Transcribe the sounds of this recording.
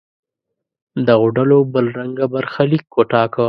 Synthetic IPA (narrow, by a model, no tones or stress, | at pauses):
d̪əɣʊɖəlobəlɾaŋɡabaɾxalikːoʈɑkə